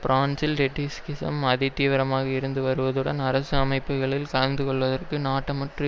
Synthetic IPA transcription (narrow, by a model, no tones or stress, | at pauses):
pɾaːnsɪlɾɛʈːiskɪsɐ̰mɐðɪt̪ːiːʋɐɾɐmaːɣɐɪɾɯnd̪ɯʋɐɾɯʋɐðɯɽɐnɐɾɐsɯɐmɐɪpːɯɣɐɭɪlkɐɭɐnd̪ɯkɔɭʋɐðɐrkɯnaːʈːɐmɐʈrɯ